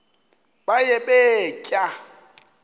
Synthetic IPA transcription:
bajebecʼa

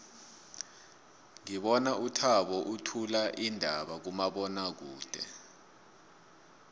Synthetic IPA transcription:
ŋiɓɔnaʔutʰaɓɔʔutʰulaʔindʱaɓak̬umaɓɔnak̬uːd̥ʱɛ̰

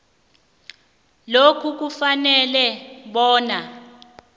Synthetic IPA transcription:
lokʰuk̬ufanɛlɛɓɔːna

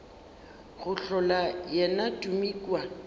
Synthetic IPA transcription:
ɣʊɬɔlajɛnatʼumiːkʼwa

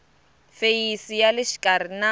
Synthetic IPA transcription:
fejisijalɪʃi̥kʼarina

